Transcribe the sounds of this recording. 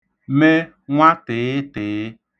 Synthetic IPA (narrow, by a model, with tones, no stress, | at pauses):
me˦ | ŋ̃ʷ˦ã˦t̪e˨e˦te˨˦